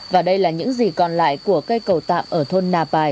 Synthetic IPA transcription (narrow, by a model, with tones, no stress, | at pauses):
vaː˨˩ɗə˧jlaː˨˩ɲɨ̰˧˥ŋzi˨˩kɔ˨˩nla̰ː˧˨jku˧˩əkə˧jkə˨˩wt̪a̰ː˧˨mʔəː˧˩t̪ʰo˧nːaː˧˩paː˨˩j